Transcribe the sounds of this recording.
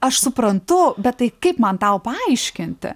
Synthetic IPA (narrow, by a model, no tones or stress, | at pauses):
ɐʃsʊpɾɐnt̪ʊbʲɛt̪̚t̪ːɐɪkɐɪpmɐnt̪ɐʊpɐɐɐɪʃʲkʲɪnʲt̪ʲɪ̰